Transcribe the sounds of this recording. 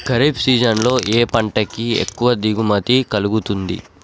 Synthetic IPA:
ɡɐɾibsiːd͡ʒɐnlo̞ːʔeːpɐɳʈɐkiḛkːuʋɐd̪iɡumɐt̪ikɐluɡut̪und̪ḭ

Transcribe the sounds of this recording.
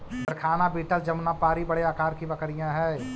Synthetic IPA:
d̪əɾkʰaːnabiːʈəld͡ʒɐmnapaːɾibɐɽeaːkaːɾkibɐkɾijãɦɛː

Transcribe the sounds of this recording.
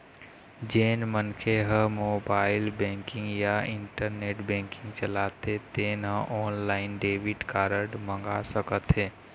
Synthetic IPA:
d͡ʒeːnmənkʰeɦə̃moːbaːɪlbɛ̃ŋkɪ̃ŋɡjaɪɳʈəɾneːʈbɛ̃ːŋkɪ̃ŋɡt͡ʃəlaːt̪et̪eːnɦə̃ʔɔːnlaːɪnɖeːʋiʈkaːɾəɖmə̃ŋɡasəkət̪ɦẽː

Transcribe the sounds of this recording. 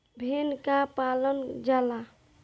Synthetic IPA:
bʱenkapalənd͡ʒala

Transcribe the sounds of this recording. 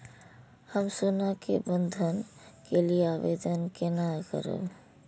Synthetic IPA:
həmsunakebənd̪ʱənkelieabed̪ənkenakə̰ɾə̰b

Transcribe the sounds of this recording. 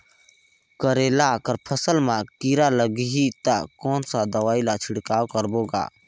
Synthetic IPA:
kəɾelakəɾpʰəsəlmãkiɾaləɡɦit̪akɔːnsad̪əʋaːilat͡ʃʰɪɽkaːwkəɾboːɡa̰ː

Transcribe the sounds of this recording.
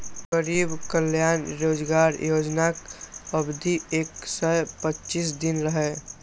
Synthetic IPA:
kəɾiːbkəljaːnɾoːd͡ʒɡaɾjoːd͡ʒnakəbd̪ʱieːksəjpətːt͡ʃisd̪ɪnɾəɦɛ

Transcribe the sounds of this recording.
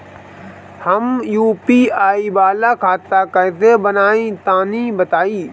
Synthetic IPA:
həmjuːpiaːibaːlakʰaːt̪akəɦt̪ebənaːĩt̪aːnibət̪aːiː

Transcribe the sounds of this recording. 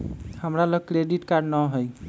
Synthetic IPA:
həmɾaləɡ̚kɾeɖiʈkaɾɖnəɦoj

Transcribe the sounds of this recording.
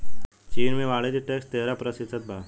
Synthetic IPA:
t͡ʃiːnmẽʋaːɽed͡ʑiʈeksʈt̪eːɾapɾɐsɪt̪ʰət̪̚bʱaː

